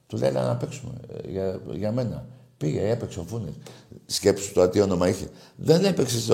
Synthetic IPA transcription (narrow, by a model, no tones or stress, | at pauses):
t̪ulḛlɐ̰nɐpeksume̞̰ʝɐʝɐme̞nɐ̰ | piʝeepekseofunessce̞pisu̥t̪ot̪io̞no̞mɐiçḛðe̞nepekses